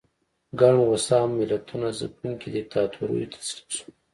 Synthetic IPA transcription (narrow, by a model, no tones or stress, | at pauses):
ɡaɳɣʊsɑːmːɪlat̪ʰunaza̰puŋkid̪et̪ɑːt̪ʰuɾo̰jot̪ʰḁsli̥su̥